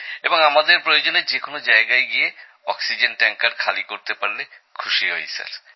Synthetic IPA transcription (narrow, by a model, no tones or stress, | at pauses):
eboŋamad̪eɾpɾojod͡ʑoneɾd͡ʑekonod͡ʑaeɡaeɡije | ɔksid͡ʑenʈɛŋkaɾkʰalikoɾt̪epaɾle | kʰuʃiɦojsa̰ɾ